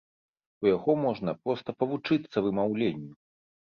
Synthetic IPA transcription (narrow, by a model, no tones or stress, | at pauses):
ujaɣɔmɔʐnɐpɾɔst̪ɐpɐvut͡ʂɨt̪sːɐvɨmawlʲenʲːu